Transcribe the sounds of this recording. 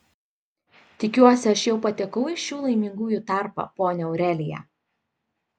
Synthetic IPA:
t̪ʲɪkʲuɔsʲɪɐʃjɛʊpɐt̪ʲɛkɐʊɪʃʲuːlˠɐɪmʲɪŋɡuːjut̪ɑˑɾpɐ̰poːnʲɛɔʊɾʲɛlʲɪjæ̰

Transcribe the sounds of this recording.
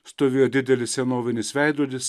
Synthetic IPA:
st̪oːʋʲeːjoːd̪ʲɪd̪ʲɛlʲɪssʲɛnoːʋʲɪnʲɪsʋʲæɪd̪uɔlʲɪs

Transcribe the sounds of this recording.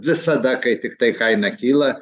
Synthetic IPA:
ʋʲɪsɐd̪ɐkɐɪt̪ʲɪkt̪ɐɪkɐɪnɐkʲiːlˠɐ

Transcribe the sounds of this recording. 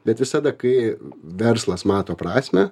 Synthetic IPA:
bʲɛt̪ʋʲɪsɐd̪ɐkɐɪʋʲɛrslˠɐsmɑːt̪oːpɾɑːsʲmʲɛ

